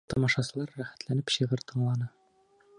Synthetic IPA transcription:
t̪ɒmɑʃɑsɤ̆lˠɑɾːæχæ̥t̪lænɘpɕɤ̆ʁɤɾt̪ɤ̆ɴlˠɑnɤ

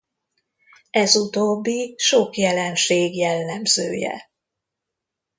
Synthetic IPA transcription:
ɛzut̪obːiʃokjɛlɛnʃeːɡjɛlːɛmzøːjɛ̰

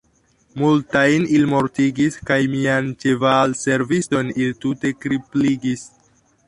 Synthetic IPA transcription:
multajnilimo̞ɾtiɡiskajmiant͡ʃe̞valse̞ɾvisto̞niltute̞kɾipliɡis

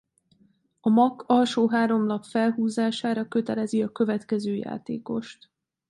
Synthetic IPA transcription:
ɒmɒkːɒlʃoːɦaːɾo̞mnɒpfɛlɦuːzaːʃaːɾɒkø̞t̪ɛlɛziɒkø̞vɛt̪kɛzøːja̰ːt̪ḛːko̞ʃt̪

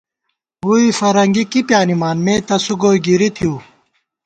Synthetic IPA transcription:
ɦuːifɐɾɐŋɡikipjaːnimaːnmẽːt̪ɐsuɡoːiɡiɾit̪ʰiuː

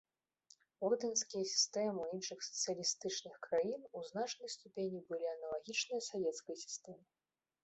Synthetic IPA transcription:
ɔrd̪ɐnskʲijɐsʲi̥st̪ɛmɨwinʂɨxsɐ̥t̪sɨjɐlʲist̪ɨt͡ʂnɨxkɾajinuznat͡ʂnɐjst̪upʲenʲibɨlʲiɐnɐlˠaɣʲit͡ʂnɨjɐsavʲɛt̪skɐjɐsʲi̥st̪ɛmɨ

